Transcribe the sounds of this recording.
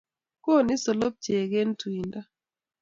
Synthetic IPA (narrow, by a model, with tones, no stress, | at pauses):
ko˦˨ni˦sɔ˨lɔ˦p̚t͡ʃe˨ɡɛ˦n˦twi˨nda˦